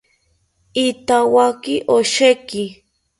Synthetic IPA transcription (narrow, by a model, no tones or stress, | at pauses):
it̪awakiʔoʃeki